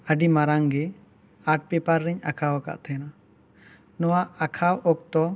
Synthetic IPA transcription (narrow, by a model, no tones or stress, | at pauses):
əɖimaɾaŋɡɛ | aʈ̚pɛpaɾːɛɲakʰawaka̰ʔt̪ʰɛna | nɔwaʔakʰawɔk̚t̪ɔ